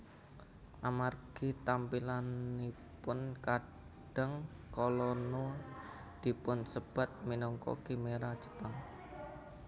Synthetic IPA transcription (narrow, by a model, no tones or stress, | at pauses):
ʔamarɡ̥i̤t̪ampilanːi | pʊnka | ɖ̥əŋ | kɔlɔno | d̪̥i̤pʊnsəb̥a̤t̪̚minɔŋkɔ̰ɡ̥imeɾḁd͡ʒə̥paŋ